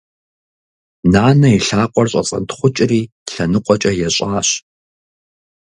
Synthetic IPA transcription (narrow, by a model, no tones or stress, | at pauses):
naːnɐiɬaːqʷʼɔrɕʼɐ̰t͡sʼɐ̰ntχʷʊt͡ʃʼriː | ɬɐnɨqʷʼɔt͡ʃʼɐjɛɕʼaːɕ